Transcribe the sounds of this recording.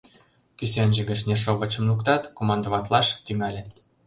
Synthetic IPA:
kysenʲʒə̆ɣə̆ʃnerʃoβə̆t͡ɕə̆mlukt̪ɑt̪komɑnd̪oβɑt̪lɑʃt̪yŋælʲĕ

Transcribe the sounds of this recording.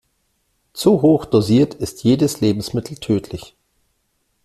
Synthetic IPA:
t͡suɦoːxd̥oziːɐtʰɪstʰjeːdəsleːbm̩smɪtʰl̩tʰøːtʰlɪç

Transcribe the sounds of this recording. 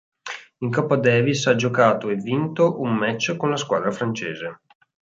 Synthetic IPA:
iŋkɔpːad̪ɛːvisad͡ʒokaːt̪oevːint̪oʔumːɛt͡ʃːkonlaskwaːd̪ɾafɾant͡ʃeːze

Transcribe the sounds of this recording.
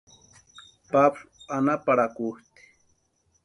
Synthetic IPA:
pablanapaɾakuht̪i̥

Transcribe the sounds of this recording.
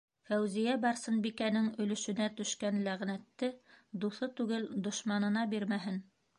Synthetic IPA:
fæwzijæbɑɾsɤnbikænɘŋɵ̆lɵ̆ʃɵ̆næt̪ɵ̆ʃkænlæʁnæt̪ːɘd̪uθɤt̪ʉɡɘld̪ŏʃmɑnɤ̆nɑbiɾmæɦɘn

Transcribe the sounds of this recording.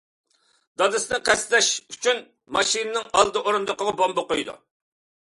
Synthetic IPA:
d̪̥ɑd̪ɨsnɪqʰɛst̪lɛʃyt͡ʃʰyn | mɑʃinɨnɪŋɑlˠd̪ɨʔoɾund̪əqəʁɑbombɑqojd̪ṵ

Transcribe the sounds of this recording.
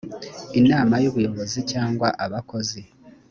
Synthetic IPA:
enaːmajoβujo̞βo̞zicaːŋɡwaʔaβako̞zi

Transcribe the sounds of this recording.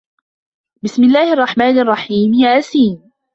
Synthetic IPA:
bɪsmɪlːaːhɪʔɑrˤːɑħmaːnʔɑrˤːɑħiːmjaːʔasiːn

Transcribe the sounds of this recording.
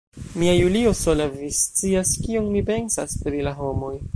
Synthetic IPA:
miajulio̞so̞lavist͡siaskionmipe̞nsaspɾilaɦo̞mo̞j

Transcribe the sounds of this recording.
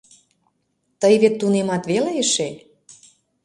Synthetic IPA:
t̪əjβet̪ːunemɑt̪βeleəʃe

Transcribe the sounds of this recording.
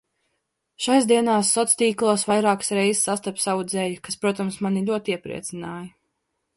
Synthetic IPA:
ʃajzd̪iɛnaːsːɔt̪st̪ʲiːklˠuɔsvajɾaːksɾɛjzssːast̪apʲsawud̪zɛːjukaspɾuɔt̪amsmanilʲuɔt̪iɛpɾḭɛt̪sinaːjɐ

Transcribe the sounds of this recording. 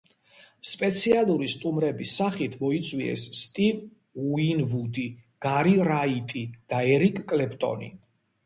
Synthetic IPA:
spʼɛt̪sʰialˠuɾist̪ʼumɾɛbisaχit̪ʰmɔit̪sʼwiɛ̰sːt̪ʼiv | uinvud̪iɡ̥aɾiɾait̪ʼid̪̥aɛɾikʼkʼlɛpʰʼt̪ʼɔ̰nḭ

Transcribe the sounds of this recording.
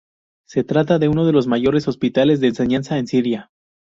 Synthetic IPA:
se̞t̪ɾat̪̬aðe̞uno̞ð̞e̞lo̞zmaʝo̞ɾe̞so̞spit̪ale̞zðe̞ːnse̞ɲansaensiɾja

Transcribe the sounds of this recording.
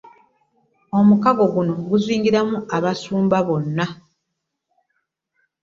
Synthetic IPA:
o̞mukaɡo̞ɡuno̞ɡuzwiːŋɡiɾamuaβasuːmbaβo̞nːa

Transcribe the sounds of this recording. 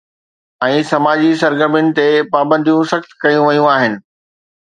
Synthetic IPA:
ɛ̃ːsɐmaːd͡ʑisɐɾɡəɾmijʊnɪ̆t̪epaːbə̃nd̪ʱijũsɐxt̪kɐjũʋɐjũaːɦɪnɪ̆

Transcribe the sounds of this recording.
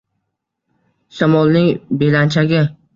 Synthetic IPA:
ʃamɒlˠnɪŋbelant͡ʃʰaɡʲɪ

